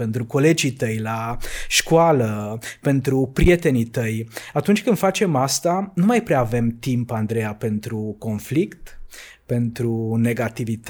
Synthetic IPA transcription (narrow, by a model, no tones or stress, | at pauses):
pe̞nt̪ɾuko̞le̞d͡ʒit̪əjlaʃkualəpe̞nt̪ɾupɾie̞t̪e̞nit̪əjat̪unt͡ʃʲkɨnd̪fat͡ʃe̞mast̪anumajpɾeaːve̞mt̪impand̪ɾejape̞nt̪ɾuko̞nflikt̪ | pe̞nt̪ɾune̞ɡat̪ivit̪